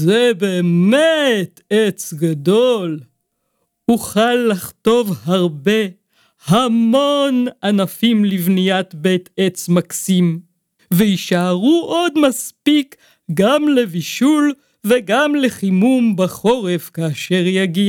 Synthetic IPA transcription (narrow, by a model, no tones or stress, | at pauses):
zebeːmetet͡sɡadol | uχalːaχto̞vhaʁbe̞ | hamonanafimlivnijat̪betet͡smaksim | veiʃaaʁuʔo̞d̪maspik | ɡamleviʃul | veɡamleχimumbaχo̞ʁevkaːʃeʁjaɡia